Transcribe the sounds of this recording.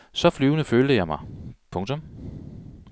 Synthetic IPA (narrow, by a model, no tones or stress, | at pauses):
sɒ̽flyːʊnəføːld̥əjɑ̈ɪmɑ̈ɪpʰɔ̽ŋt͡sʰɔ̽m